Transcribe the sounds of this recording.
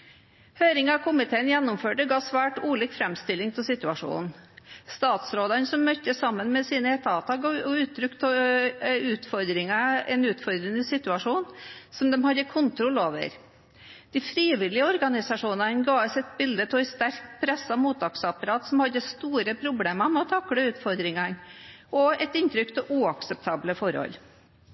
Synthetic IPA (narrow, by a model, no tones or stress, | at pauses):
høːɾɪŋɑkʰʊmɪt̪ʰeːənjɛnːʊmføːʈəɡɑːsʋæːʈuːlɪːkfɾɛmst̪ɪlːɪŋt̪ʰɪlsɪt̪ʉɑʂṵːnst̪ɑːt̪sɾoːd̪ɑnəsɔmːœt̪ːəsɑmːənmɛsiːnəɛt̪ɑːʋt̪ɑɡɔʉːt̪ʰːɾʏkt̪ʰɔ | ʉːt̪fɔɾd̪ɾɪŋɑɛnʉːt̪fɔɾd̪ɾənəsɪt̪ʉɑʂuːnsɔmd̪ɛmhɑd̪ːəkʰʊnt̪ʰɾɔloːʋə̰ɾ | d̪̥ɪfɾiːʋɪlɪəɔɾɡɑnɪsɑʂuːnɑnɡɑːʋəsɛt̪̚bɪld̪ət̪ʰɪɛst̪æɾkpʰɾɛsːɑmuːt̪̚ɑksɑpɑɾɑːt̪sɔmhɑd̪ːəst̪uːɾəpʰɾʊbleːmɑmɛɔt̪ʰɑkːɽəʉːt̪fɔɾd̪ɾɪŋɑnʔɔɛt̪ɪnt̪ɾʏkt̪ʰɪlʔuːɑksɛp̚t̪ʰɑːbləfɔɾhɔ̰l